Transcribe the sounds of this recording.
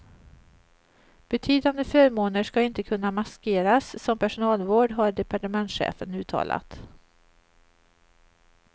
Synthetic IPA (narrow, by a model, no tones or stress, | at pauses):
b̥ɛt̪ʰyːd̪and̪əfœːɾmoːnəʂkaɪnt̪əkʰɵnːamaskeːɾasːɔmpʰæʂʊnɑːlvoːɖɦaɖɛpʰaʈəmɛnt̪ɧḛːfənʉ̟ːt̪ʰɑ̰ːla̰t̪